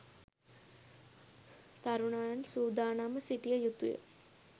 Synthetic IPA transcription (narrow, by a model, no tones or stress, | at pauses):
t̪aɾunaːjansuːd̪aːnaːməsiʈijəjut̪ṵjə̰